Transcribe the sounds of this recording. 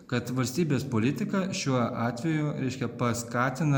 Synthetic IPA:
kɐt̪ʋɐlʲsʲt̪ʲiːbʲeːspoːlʲɪt̪ʲɪkɐʃʲuɔʔɑːt̪ʲʋʲɛjʊɾʲɛɪʃʲkʲɛpɐskɑːt̪ʲɪnɐ

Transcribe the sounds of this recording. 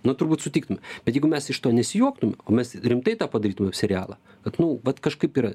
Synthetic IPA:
nʊt̪ʊrbuːt̪sʊtʲiːkt̪ʊmʲɛbbʲɛt̪jɛɪɡʊmʲɛsɪʃt̪oːnʲɛsʲɪjuɔk̚t̪ʊmʲɛoːmʲɛsrʲɪmt̪ɐɪt̪ɑːpɐd̪ɐɾiːt̪ʊmɛɐpsʲɛɾʲɪjaːlˠɐː | kɐt̪nʊʋɐt̪kɐʃkɐɪpiːɾɐ

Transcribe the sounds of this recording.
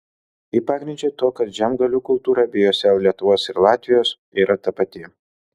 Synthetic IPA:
iːpɑːɡɾʲɪnʲd͡ʒʲot̪oːkɐt̪ʒʲɛmɡɐlʲuːkʊlˠt̪uːɾɐbʲɪjoːsʲɛlʲiɛt̪ʊʋoːsɪɾlˠɑːt̪ʲʋʲɪjoːs | iːɾɐt̪ɐpɐt̪ʲɪ

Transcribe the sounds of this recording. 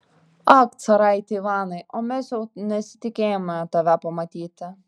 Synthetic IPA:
ɑkt̪sɐɾɐɪt̪ʲeʋɑːnɐɪʔomʲɛsjɛʊnʲɛsʲɪ̥t̪ʲɪkʲeːjomʲɛt̪ɐʋʲæpɐmɐt̪ʲiːt̪ʲɪ

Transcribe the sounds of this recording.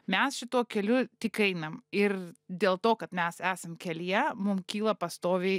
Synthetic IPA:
mʲɛsʃʲɪt̪uɔkʲɛlʲʊt̪ʲɪkɛɪnɐmɪrd̪ʲeːlˠt̪oːkɐt̪mʲɛsæːsɐmkʲɛlʲiɛmʊmkʲiːlˠɐpɐst̪oːʋʲeɪ

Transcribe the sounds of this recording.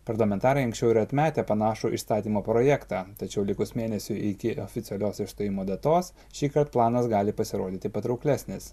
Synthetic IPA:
pɐɾlˠɐmʲɛnt̪ɑːɾɐɪɐ̃ŋksʲt͡ʃʲɛʊɪɾɐt̪ʲmʲæːt̪ʲɛpɐnɑːʃuʔḭst̪ɑːt̪ʲiːmoːpɾoːjækt̪ɑːt̪ɐt͡ʃʲɛʊlʲɪkʊsmʲeːnʲɛsʲʊʔɪkʲɪofʲɪt̪sʲɛlʲoːsɪʃst̪oːjʲɪmoːd̪ɐt̪oːs | ʃʲiːkɐɾt̪̚plˠɑːnɐsɡɑːlʲɪpɐsʲɪɾoːd̪ʲiːt̪ʲɪpɐt̪ɾɐʊklʲæːsʲnʲɪs

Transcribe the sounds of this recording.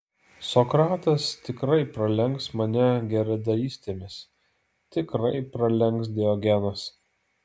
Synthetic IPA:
sɔkɾɑːt̪ɐst̪ʲɪkɾɐɪpɾɐlʲɛŋksmɐnʲɛɡʲɛɾʲɛd̪ɐiːsʲt̪ʲeːmʲɪs | t̪ʲɪkɾɐɪpɾɐlʲɛŋˑksd̪ʲɛɔɡʲɛnɐs

